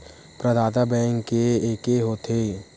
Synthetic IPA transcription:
pɾəd̪ʱaːt̪abɛ̃ːŋkːeeːkeɦoːt̪ʰeː

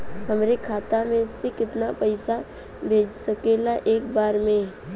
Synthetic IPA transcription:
ɦɐmɾekʰaːt̪amẽsekɪt̪napəɪsa | bʱeːd͡ʒsəkelaʔeːkbaːɾmẽ

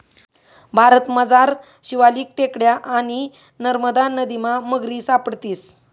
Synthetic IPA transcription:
bʱaɾət̪məd͡zaɾ | ɕiʋaliːk̚ʈekɽjaʔaɽ̃i | nəɾməd̪anəd̪imaməɡɾiːsapəɽt̪iːs

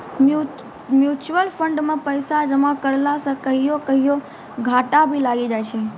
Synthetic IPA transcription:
mu | mjut͡ʃuwəlfʰəɳɖmãpəjsad͡ʒəmakəɾlasəkəɦijokəɦijo | ɡʱaʈabʱilaɡid͡ʒajt͡ʃʰe

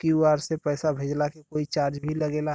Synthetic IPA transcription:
kiwaːɾsepɛːsabʱeːd͡ʒlakekoːit͡ʃaːɾd͡ʒbʱiləɡeːlaɦ

